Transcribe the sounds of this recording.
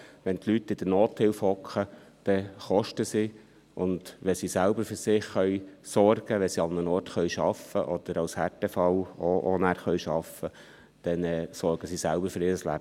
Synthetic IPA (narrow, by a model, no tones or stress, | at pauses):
ʋɛntlytːɪd̥ənoːthɪlfhɔkχə | d̥ɛχɔʃtəsi | ʔʊnd̪ʋɛsisælbəɾfyːɾsɪχːœʏsɔrɡ̥əʋɛsiɑnːənɔːɾtχœʏʃɑfəʔɔd̪̥əɾɑwshætɛfɑlɔʔɔnæːɾχœʏʃɑfə | d̥ɛnɛːsɔɾɡ̥əsisælbəɾfɵɾɪːɾəslæ̰bə